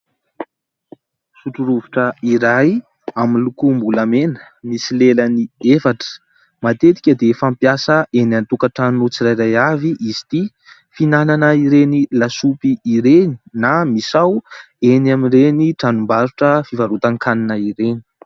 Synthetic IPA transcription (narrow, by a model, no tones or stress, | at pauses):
suʈ͡ʂuɾuvuʈ͡ʂəiɾaj | aminlukumbulamenə̥ | misileləniefaʈ͡ʂə̥ | mat̪et̪i̥kʲəd̪efampjasəenant̪ukaʈ͡ʂannut͡siɾajɾajaviʔizi̥t̪i | finananəiɾenilasupiːɾeni̥namisaw | enamireniʈ͡ʂanumbaɾuʈ͡ʂəfivaɾut̪aŋkaninaiɾeni̥